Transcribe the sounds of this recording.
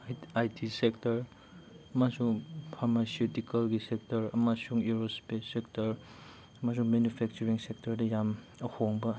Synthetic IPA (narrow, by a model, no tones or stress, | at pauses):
ajtʰisektɐɾ | masuŋpʰaɾmasiutikɐlɡisek̚tɐɾɐ̰masuŋuɾospesek̚tɐɾ | ɐmas̬uŋmenupʰɛk̚t͡ʃuɾiŋsek̚tɐɾdɐjam | ɐhʰoŋbɐ